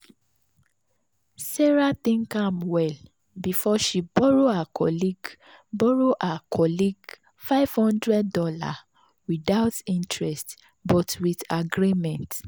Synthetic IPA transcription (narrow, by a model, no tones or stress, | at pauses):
sɛɹatĩŋkãmwɛl | bifɔʃibɔɹoakʰɔ̰liɡ | bɔɹoʔakʰɔliɡ | faɪv̥hɔ̃ndɹɛd̚dɔla̰ | widaʊtĩntʰɹɛst | bɔtwiðaɡɹimɛ̃nt